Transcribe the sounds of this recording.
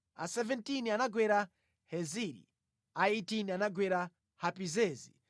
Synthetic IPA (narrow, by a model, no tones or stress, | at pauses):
a̰sɛvɛntinianaɡwɛɾa | hɛziɾḭ | aetinianaɡwɛɾa | hapizɛːzḭ